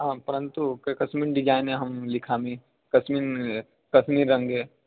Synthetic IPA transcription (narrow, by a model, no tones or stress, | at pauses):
ɦãːpɐɾə̃nt̪ukkɐsmiːnɖɪd͡ʒaːɪnɦẽɦɐmlɪkʰaːmĩ | kɐsmiːn | kɐsmiːɾːɐ̃ŋɡeː